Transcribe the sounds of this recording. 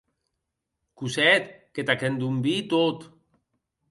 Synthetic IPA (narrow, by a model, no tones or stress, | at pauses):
kusɛt̪ket̪akend̪umbit̪ot̪